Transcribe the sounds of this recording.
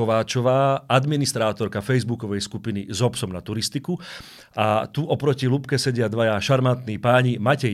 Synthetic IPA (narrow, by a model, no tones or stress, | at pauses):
ɔʋaːt͡ʃɔʋaːʔad̪minist̪ɾaːt̪ɔɾkafɛjzbukɔʋɛjskupinizɔpsɔmnat̪uɾist̪iku | at̪uʔɔpɾɔcilupkɛsɛɟɪad̪ʋajaʃaɾmant̪niːpaːɲimacɛ